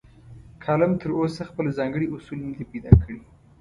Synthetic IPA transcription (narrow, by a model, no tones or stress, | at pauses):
kʰɑlamt̪əɾosaxpəlzɑŋɡəɽiʔʊsulnad̪ipejd̪ɑ̰kʰəɽi